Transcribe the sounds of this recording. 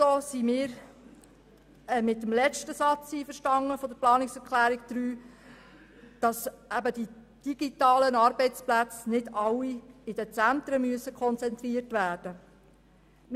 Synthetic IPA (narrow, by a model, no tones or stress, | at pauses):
oːsimɪːɾ | ɛmɪt̪ːəmlɛt͡ʃtəsɑt͡siːfəɾʃtɑŋːəfɔdəɾplɑːnɪksɛɾklæːɾikd̥̪ɾyː | d̥ɑsæbəd̥i | d̥iɡ̥itɑːlənɑɾbɛɪt͡splæt͡snɪdɑlːiɪd̥ət͡sænt̪ɾəmyəsəkʰχɔnt͡sɛnt̪ɾiərtʋæːrd̥ə